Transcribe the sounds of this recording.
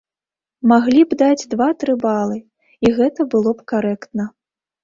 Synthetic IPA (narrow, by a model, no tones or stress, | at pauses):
maɣlʲibd̪ad͡zʲd̪vat̪ɾɨbalˠɨ | iɣɛt̪ɐbɨlˠɔpkaɾɛkt̪nɐ